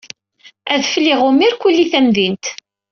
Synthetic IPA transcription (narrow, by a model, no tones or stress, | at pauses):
æðfliʁʊmiɾkʷulːiθæmðint̪